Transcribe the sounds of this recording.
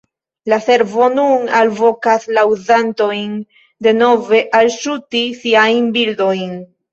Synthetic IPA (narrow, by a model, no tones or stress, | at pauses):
lase̞ɾvo̞nunalvo̞kaslawzanto̞jn | de̞no̞ve̞ʔalʃutisiajnbildo̞jn